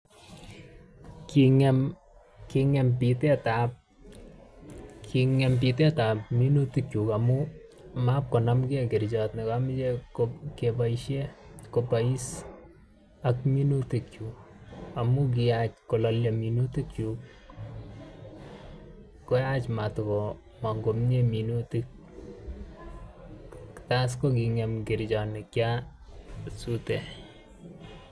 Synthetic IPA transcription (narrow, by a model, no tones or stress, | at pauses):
kiŋɛm | kiŋɛmpitetap̚ | kʰiŋɛmp̬itetap̚minutɪkjukamu | map̚konamɡekɪɾd͡ʒɔt̪nekamɪd͡ʒekokepaiʃjekopais | akminutikju | amuɡ̬iat͡ʃkolaljaminutikju | kːojat͡ʃmatkɔ | maŋɡomɲeminutik̚ | tas̬koɡ̬iŋɛmɡɪɾd͡ʒɔnɪkja | sute